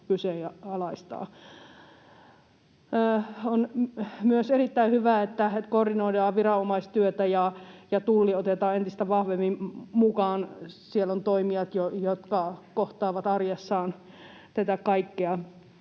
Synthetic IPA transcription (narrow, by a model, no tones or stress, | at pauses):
kyseːɑɑlɑist̪ɑ̰ː | onmyøserit̪ːæihyʋæet̪ːæet̪kordinoidɑːʋirɑomɑist̪yøt̪æjɑjɑt̪ulːiot̪et̪ɑːent̪ist̪æʋɑhʋemːimmukɑːnsielont̪oimiɑt̪jojot̪kɑkoht̪ɑːʋɑt̪ɑrjesːɑːn | t̪et̪ækɑikːeɑ